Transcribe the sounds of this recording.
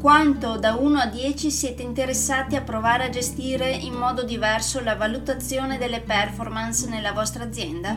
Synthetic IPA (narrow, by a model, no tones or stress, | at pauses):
kwant̪od̪auːnoad̪jɛːt͡ʃisjɛːt̪eint̪eɾesːaːt̪iapːɾovaːɾead͡ʒest̪iːɾeʔimːɔːd̪od̪ivɛrsolavalut̪at̪sːjoːned̪elːepɛrformansnelːavɔst̪ɾaːd̪zːjɛnd̪a